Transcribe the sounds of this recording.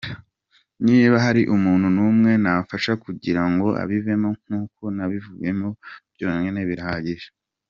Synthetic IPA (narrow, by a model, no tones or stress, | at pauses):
niːβaɦaɾiʔumuːnhunumŋe̞nafaʃakuɟiɾaŋɡo̞ʔa̰βive̞mo̞ŋ̥uːko̞naβivuβe̞mo̞βjoːŋeneβiɾaaɟiʒe̥